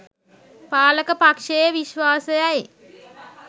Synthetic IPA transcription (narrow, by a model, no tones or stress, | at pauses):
paːləkəpakʂejəʋiʃʋaːsəjaj